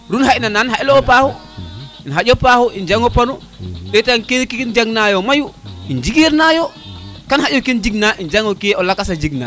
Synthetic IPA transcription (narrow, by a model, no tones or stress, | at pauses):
ɾunhainananhaʔlɔːpahu | inɦajɔpahuʔind͡ʒaŋɔpanu | ɗɛtankekind͡ʒaɡnajɔmajuind͡ʒiɡiɾnajɔkanhajɔkind͡ʒiɡnaʔind͡ʒaŋɔkɛɔlakasad͡ʒiɡna̰